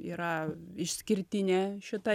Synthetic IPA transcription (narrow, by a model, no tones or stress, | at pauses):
ḭɾɑɪʃsʲkʲɪɾʲt̪ʲinʲɛʃɪt̪ɑ